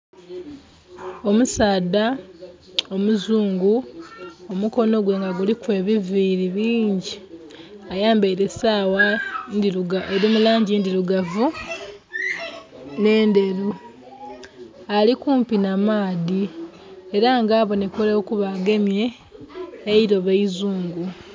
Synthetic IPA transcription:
o̞musaːda | o̞muzuːŋɡu | o̞muko̞no̞ɡwe̞ːŋɡaɡulikwe̞ːβiviːɾiβiːɲɟi | ajaːmbaiɾesaːwandiuaeɾimulaːɲɟindiɾuɡavu | ne̞ːnde̞ɾu | alikuːmpinamaːði | eɾaŋɡaːβo̞nekolekuβaɡe̞mje̞ː | iɾo̞βeizuːŋɡu

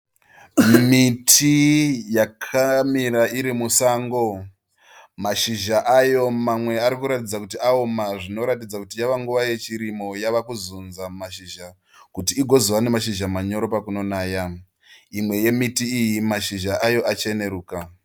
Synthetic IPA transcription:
mitʰijakʰamiɾaiɾimusaːŋɡo̞ | maʃiʒaʔajo̞mamwe̞aɾikuɾatid͡zakutiʔaomaʐino̞ɾatid͡zakutijaʋaŋɡuʋaje̞t͡ʃiɾimo̞jaʋakuzunzamaʃiʒa | kutiːɡʱo̞ziwane̞maʃiʒamaɲo̞ɾo̞pakuno̞naːja | imwe̞je̞mitiːjimaʃiʒaʔajo̞ʔat͡ʃe̞ne̞ɾuːka

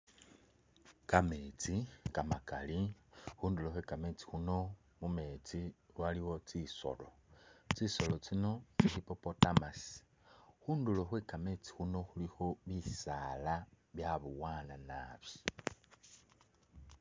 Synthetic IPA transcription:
kamet͡sikamakalixuːnduloxweːkamet͡si̥xuno̞ | mume̞t͡siwaliwo̞t͡siso̞̰lo̞ | t͡siso̞lo̞t͡sino̞niɾipopotamas | xuːndulo̞xweːkame̞t͡si̥xuno̞xulixo̞βisaːla | βjaβuwaːnana̰βi

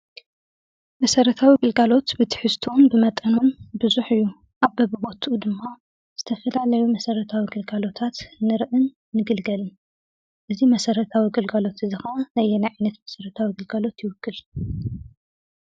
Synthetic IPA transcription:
mɐsɐɾɐt̪ʰawiɡɨlɡalo̞t̪bɨt̪ʰɨ̥ħɨst̪ʰuwunbɨmɐt̪ʼɐnunbɨzuħɨjːu | ʔaβbɐbɨbo̞t̪ʰʔud̪ɨmːa | z̥ɨt̪ʰɐfɐlalɐjumɐsɐɾɐt̪ʰawiɡɨlɡalo̞t̪ʰat̪nɨɾʔɨnː | ɨɡɨlɡɐlɨn | ʔɨzimɐsɐɾɐt̪ʰawiɡɨlɡalo̞t̪ɨzɨxɐnajɛnajʕajnːɐt̪mɐsɐɾɐt̪ʰawiɡɨlɡalo̞t̪jɪwɨkːɨl

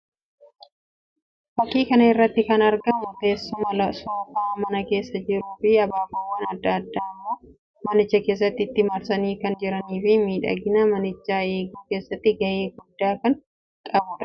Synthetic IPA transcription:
fɐkːiːkɐnɐɪrːɐt̪ːɪkɐnɐɾɡɐmot̪e̞ːsːʊmɐlɐsoːkʊɐmɐnɐke̞ːsːɐd͡ʒɪɾuːfɪɐbaːfawːɐnɐd̪ːɐd̪ːaːɪmːo̞ː | mɐnɪt͡ʃːɐke̞ːs̬ːɐt̪ːɪɪt̪ːɪmɐɾsɐniːkɐnd͡ʒɪɾɐniːfɪmiːᶑɐ̰ɡɪnɐmɐnɪt͡ʃːaːe̞ːɡuːke̞ːsːɐt̪ːɪɡɐʔe̞ːɡʊd̪ːaːkɐn | t̪ʼɐbʊᶑɐ̥

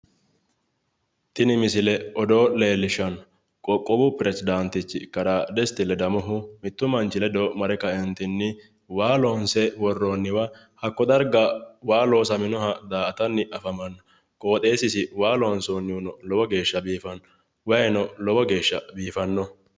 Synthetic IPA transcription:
t̪ɪnɪmɪsɪlɛɔd̪oːle̞ːlːɪʃːɐn | kʼɔkʼːɔbʊpɪɾɛsɪd̪ant̪ɪt͡ʃːɪkɐɾaːd̪ɛst̪ɪlɛd̪ɐmɔɦʊmɪt̪ːʊmɐnt͡ʃɪlɛd̪ɔmɐɾɛkɐɛnt̪ɪnːɪ | waːloːnsɛwɔrːoːnːɪwɐ | hɐkːɔd̪ɐɾɡɐwaːlo̞ːsɐmɪnɔhɐd̪aːɐt̪ɐnːɪʔɐfɐmɐnːɐ | kʼo̞ːt̪ʼe̞ːsɪsɪwaːloːnsoːnːɪʊnɔlɔbɔɡe̞ːʃːɐbiːfɐn | wɐjnɔlɔbɔɡe̞ːʃːɐbiːfɐnːɔ

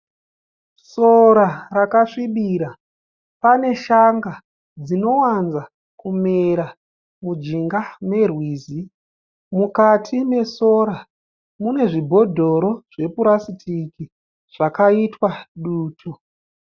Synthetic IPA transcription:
so̞ɾarakaʂiɓiɾa | pane̞ʃaŋɡa | d͡zino̞wanza | kumeɾa | mud͡ʒiŋɡame̞rwiːzi | mukatʰime̞soɾa | mune̞ʐibʱo̞dʱo̞ɾo̞ʐ̥e̞puɾasitʰiki | ʐ̥akaitwaɗuːtʰo

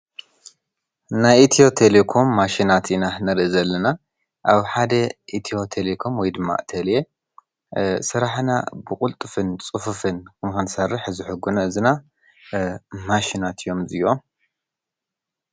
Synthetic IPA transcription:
najit̪ʰio̞t̪ʰelekʰo̞mːaʃinat̪inanɨɾʔizɐlːɐna | ʔaβħad̪ɐʔit̪ʰijo̞t̪ʰelekʰo̞mwɔjd̪ɨmːa̰ʔt̪ʰɐle | sɨɾaħna̰bɨkʼʊlt̪ʼɨfɨnt͡sʼɨfufɨnkʰɨmkɨnsɐrːɨħzɨħɨɡunɐɨzɨna | maʃinat̪ʰɨjo̞mzɨjom

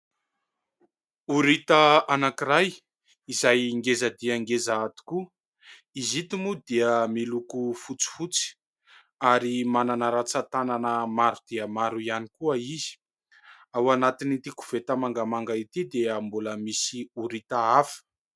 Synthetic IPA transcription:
uɾit̪əanakiɾaj | izajŋɡezəd̪iaŋɡezaat̪u̥ku | izit̪imud̪iəmilukufut͡si̥fut͡si̥ | aɾimananaɾat͡sat̪ananəmaɾud̪̥eəmaɾuianikuəizi̥ | awanat̪init̪iku̥v̥et̪əmaŋɡamaŋɡait̪id̪eəmbuləmisiuɾit̪aafə̥

